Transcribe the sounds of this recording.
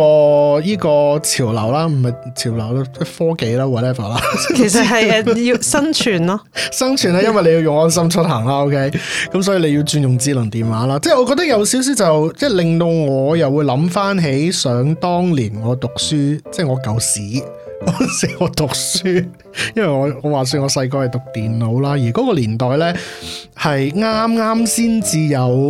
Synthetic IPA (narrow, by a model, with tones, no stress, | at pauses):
ɔː˧jiː˥kɔː˧t͡sʰiː˨˩wlɐ̰˨˩wlaː˥m̩˨˩hɐ˨jt͡sʰiː˨˩wlɐ˨˩wlaː˧˥t͡sɛː˥˩fɔː˥ke˨˧jlaː˧wa˨lɛː˥vɐ˨˩laː˧˥kʰe˨˩s̬ɐ˨ɦɐ˨jɛ˧ji˧sɐ˥nt͡ʃʰyː˨˩nlɐ˥sɐ˥nt͡ʃʰyː˨˩nlaː˧jɐ˥nwɐ˨jle˧ji˧wjʊ˨ŋɔː˥nsɐ˥mt͡ʃʰɵ˥t̚ɦaː˨˩ŋlaː˧˥o˥wkʰe˥jkɐ˨˥ms̬ɔː˨˥jiː˧le˨˧ji˧wt͡ʃyː˧njʊ˨˩ŋt͡siː˧lɐ˨˩ŋt̪iː˨nwaː˨˥laː˥t͡sɛː˥˩ŋɔ˨˧kɔː˧t̪̚ɐ˥k̚jɐ˨˧wsiː˨˥ws̬iː˥t͡sɐ˨wt͡sɛː˥˩lɪ˨ŋt̪o˧wŋɔː˨˧jɐ˨wu˨˧jlɐ˨˥mfaː˥nɦe˨˥jsœː˨˧˥ŋt̪ɔː˥ŋliː˨˩nŋɔː˨˧t̪ʊ˨k̚syː˥t͡sɛː˥˩ŋɔː˨˧kɐ˨˧wsiː˨˥ɔː˨˧si˨˥ŋɔː˨˧t̪ʊ˨k̚syː˥ | jɐ˥nwɐ˨˩jŋɔː˨˧ŋɔː˨˧waː˨s̬yː˧ŋɔː˨˧sɐ˧jk̬ɔː˧hɐ˨jt̪ʊ˨k̚t̪iː˨nlo˨˧wlaː˥jiː˨˩kɔː˨˦˥kɔː˧liː˨˩nt̪ɔː˨jlɛː˥ | hɐ˨jŋaː˥mŋaː˥msiː˥nt͡siː˧jɐ˨˧w